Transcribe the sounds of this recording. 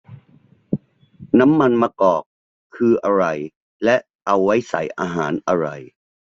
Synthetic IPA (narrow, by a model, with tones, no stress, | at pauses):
na˦˥mːa˧nmaː˧kɔː˨˩k̚ʰː | ɯː˧ʔa˧ɾa˧j | lɛ˦˥ʔʔa˧wːa˦˥jsa̰˩˦jʔaː˧ɦaː˩˦nʔa˧ɾa˧j